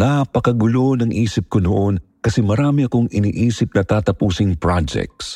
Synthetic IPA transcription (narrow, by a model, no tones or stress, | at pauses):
napɐkɐɡʊlo̞nɐŋʔiːsɪp̚konoʔo̞n | kɐsɛmɐɾaːmɪɐko̞ŋɪnḭːʔiːsɪp̚nɐt̪aːt̪ɐpuːsɪŋpɹad͡ʒɛ̰k̚t̪s